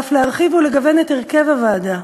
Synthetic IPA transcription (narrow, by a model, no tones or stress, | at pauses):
fleaʁχivuleɡave̞neteʁke̞vavaːda